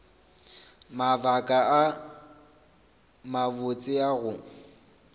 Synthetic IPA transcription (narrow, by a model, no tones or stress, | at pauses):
mavakʼaa | mabʊt͡sʼɪaɣʊ